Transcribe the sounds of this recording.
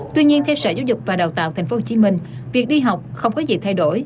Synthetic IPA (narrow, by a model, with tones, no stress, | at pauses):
t̪wi˧ɲi˧ənt̪ʰɛ˧wsəː˧˩zaː˨˦zʊ˨˩k͡p̚vaː˨˩ɗa˨˩wt̪a̰ː˧˨t̪ʰɛ˨˩ŋ̟fo˨˦ho˨˩t͡ɕi˧˦mï˧˩ŋ̟vi˨˩ək̚ɗi˧ɦa˨˩wk͡p̚xə˧wŋ͡mkɔ˨˦zḭ˨˩t̪ʰa˧jɗo˧˩j